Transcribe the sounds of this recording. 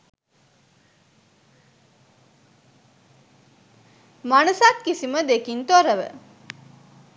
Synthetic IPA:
manəsak̪kisiməd̪ekint̪oɾəʋə̰

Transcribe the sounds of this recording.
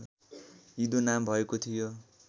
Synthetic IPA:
id̪onambʱʌekot̪ʰijo

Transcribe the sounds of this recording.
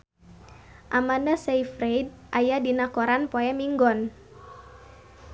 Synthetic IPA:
ʔamanasaifɾejd̚ | ʔajadinakɔɾanpoɛmiŋɡɔn

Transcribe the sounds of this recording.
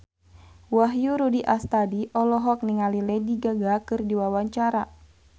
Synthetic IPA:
waɦjuɾudiʔast̪adiʔɔlɔɦɔk̚niŋalilɛdiɡaɡakɨrdiwawaɲt͡ʃaɾa

